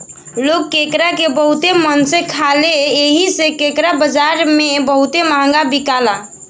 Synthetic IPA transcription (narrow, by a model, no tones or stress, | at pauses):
lokːekɾakebəɦut̪emənsẽkʰaleeɦisekekɾabəd͡ʒaɾmebəɦut̪emãŋɡabikala